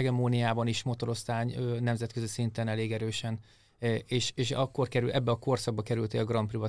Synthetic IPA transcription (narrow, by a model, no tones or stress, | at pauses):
ɛɡɛmoːnijaːbɒniʃmo̞t̪o̞ɾo̞st̪aːɲønɛmzɛt̪̚kø̞zisint̪ɛnɛleːɡɛɾøːʃɛn | eːʃeːʃɒkːo̞rkɛɾylʔɛbːɛɒko̞rsɒɡ̚bɒkɛɾylt̪eːlɡrɒmprivɒ